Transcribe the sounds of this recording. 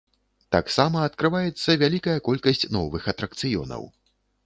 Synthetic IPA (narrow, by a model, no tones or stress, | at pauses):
t̪aksamɐɐt̪kɾɨvajɛt̪sːɐvʲalʲikɐjɐkɔlʲkɐsʲt͡sʲnɔvɨxɐt̪ɾɐkt̪sɨjɔ̰nɐ̰w